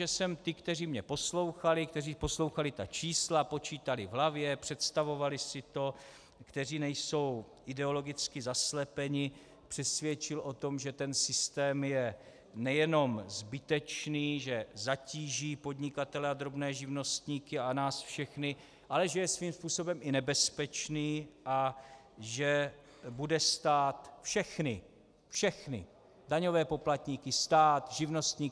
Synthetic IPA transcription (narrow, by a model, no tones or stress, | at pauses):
ɛsɛmt̪ɪkt̪ɛriːmɲɛposlo̞wxalɪkt̪ɛriːpo̞slo̞wxalɪt̪at͡ʃiːslapo̞t͡ʃiːt̪alɪvɦlavjɛpr̝̥ɛt̪st̪avo̞valɪsɪt̪o̞ | kt̪ɛr̝iːnɛjso̞w | ʔɪdɛo̞lo̞ɡɪt͡skɪzaslɛpɛɲɪ | pr̥ɛsvjɛt͡ʃɪlʔo̞t̪o̞mʒɛt̪ɛnsɪst̪ɛːmjɛ | nɛjɛno̞mzbɪt̪ɛt͡ʃniːʒɛzaciːʒiːpo̞d̪ɲɪkat̪ɛlɛad̪ɾo̞bnɛːʒɪvno̞st̪ɲiːkɪanaːsfʃɛxnɪ | ʔalɛʒɛjɛsviːmspuːso̞bɛmɪnɛbɛspɛt͡ʃniːʔa | ʒɛ | budɛst̪aːt̪fʃɛxnɪ | fʃɛxnɪ̰ | daɲo̞vɛːpo̞plat̪ɲiːkɪst̪aːt̪ʒɪvno̞st̪ɲiː